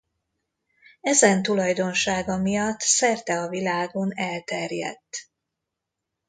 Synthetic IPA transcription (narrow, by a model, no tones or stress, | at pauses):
ɛzɛnt̪ulɒjd̪o̞nʃaːɡɒmijɒt̪ːsɛrt̪ɛɒvilaːɡo̞nɛlt̪ɛrjɛ̰t̪ː